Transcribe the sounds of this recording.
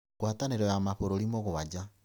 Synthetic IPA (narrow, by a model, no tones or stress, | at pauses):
ɣwataneɾɔjamaɸoɾoɾimoɣoβad͡ʑa